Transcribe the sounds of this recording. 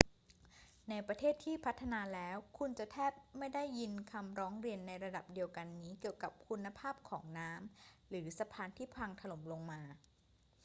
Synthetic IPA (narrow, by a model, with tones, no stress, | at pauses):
na˧jpɾa˧t̪ʰeː˥˩t̪ʰːiː˥˩pʰa˦˥t̪ʰːa˧naː˧lɛː˦˥wkʰu˧nt͡ɕa˨˩ʔt̪ʰɛː˥˩p̚ma˥˩jda˥˩jːi˧nkʰa˧mɾɔː˦˥ŋɾi˧ənːa˧jɾa˧da˨˩p̚di˧əwka˧nːiː˦˥ki˨˩əwka˨˩p̚kʰu˧nːa˧pʰaː˥˩p̚kʰɔː˩˦ŋnaː˦˥mɾɯː˩˦sa˧pʰaː˧nt̪ʰiː˥˩pʰaː˧ŋt̪ʰa˧lo˩˦mlo˧ŋmaː˧